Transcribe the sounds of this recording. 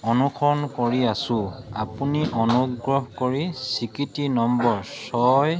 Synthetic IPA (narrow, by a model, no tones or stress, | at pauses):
ɔnukʰɔnkoɹiasʊ̃a̰puniʔɔnuɡɹɔɦkoɹisikitinɔmbɔɹsɔj